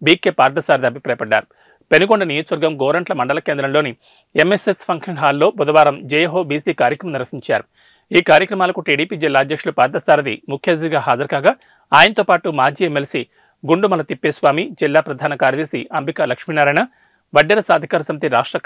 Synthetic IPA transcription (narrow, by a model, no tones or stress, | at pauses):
biːkːepaːɾd̪ɐsaːɾɐd̪iɐbʱipɾaːjɐpɐɖːa̰ːɾu | penuɡoɳɖɐnijoːt̪ʋɐɾɡɐmɡoːɾɐɳʈlɐmɐɳɖɐlɐkeːnd̪ɾɐmlo̞ːni | emesespʰɐŋkʂɐnɦaːlːo̞ːbud̪ɐʋaːɾɐmd͡ʒeːjɦo̞ːbiːsiːkaːɾjɐkɾɐmɐmniɾʋɐɦiɲt͡ʃa̰ːɾu | iːkaːɾjɐkɾɐmaːlɐkuʈiːɽiːpiːd͡ʒilːaːd̪jɐkʂulupaːɾt̪ɐsaːɾɐd̪ḭmukʰjɐd̪iiɡaːɦaːd͡ʒɐɾkaːɡaː | aːjɐnɐt̪oːpaːʈumaːd͡ʒiːemːelsi | ɡuɳɖumɐlɐt̪ipːeːsʋaːmid͡ʒilːaːpɾɐd̪ʱaːnɐkaːɾɐd̪eːsiɐmbʱikaːlɐkʂminaːɾaːjnɐ | ʋɐɖːɐɾɐsaːd̪ʱɐkaːɾɐsɐmit̪iɾaːʂʈɾɐ